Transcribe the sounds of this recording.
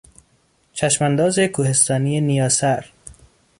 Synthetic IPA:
t͡ʃʰæʃmænd̪ɒːzekʰuːhe̞st̪ɒːnijenijɒːsæɾ

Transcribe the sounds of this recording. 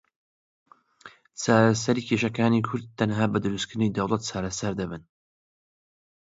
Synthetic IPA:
t͡sʰaːɾɐsɐɾiːkʰeːʃɐkaːniːkʰʊɾd̪̚t̪ːɐnɦaːbɐd̪ɨɾuskʰɨɾɨnijd̪ɐwlˠɐt̪̚t͡ʃʰaːɾɐsɐɾd̪ɐbɨn

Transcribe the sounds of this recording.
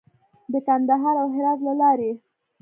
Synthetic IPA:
d̪əkand̪aɦɑɾawɦɪɾɑzlalɑɾe

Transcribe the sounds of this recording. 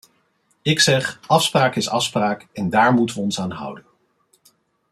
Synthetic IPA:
ɪksɛχɑfspraːkɪsɑfspraːkɛndaːɹmutəʋəɔnsaːnɦʌ̰wdən

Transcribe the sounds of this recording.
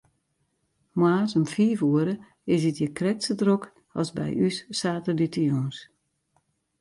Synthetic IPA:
maːsəmfiːfuəɾə | ɪsitjəkrɛksədrok | ɔ̰lˠsbɛ̰jysːaːtəlitəjuns

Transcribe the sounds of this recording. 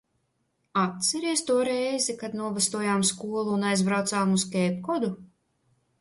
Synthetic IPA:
at̪̚sɛɾiɛst̪uɔɾɛjzikad̪nuɔvast̪uɔjaːmskuɔlˠuːnajzbɾawt̪saːmuskʲɛːpkɔd̪u

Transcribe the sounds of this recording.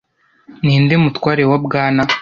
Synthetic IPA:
niːndemutwaːɾewabɡaːna

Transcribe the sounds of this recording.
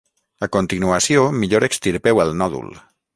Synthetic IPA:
akont̪inuəsiomiʎoɾekst̪iɾpewəlˠnɔðṵl

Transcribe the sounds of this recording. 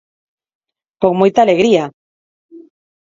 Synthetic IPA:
koŋmojt̪aːleɣɾia

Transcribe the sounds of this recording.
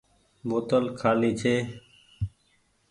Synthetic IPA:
boːt̪əlkʰaːliːt͡ʃʰeː

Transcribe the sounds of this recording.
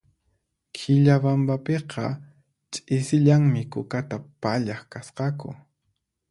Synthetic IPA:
kʰɪʎabambapeqʰɑ̰ | t͡ʃʼɪsɪʎaŋmɪkʊkat̪apaʎaχkasqɑkʊ̰

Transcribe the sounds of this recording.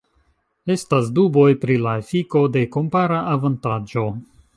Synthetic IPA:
e̞stasdubo̞jpɾilaefiko̞de̞ko̞mpaɾaʔːvantad͡ʒo̞

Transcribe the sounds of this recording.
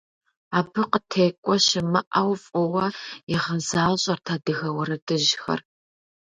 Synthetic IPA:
aːbɨqətʰeːkʷʼɔɕɪmɨʔɐwfʼɔwɐɪʁɐzaːɕʼɐrtʰaːdɨɣɐwɐɾɐdɨʑxɐ̰r

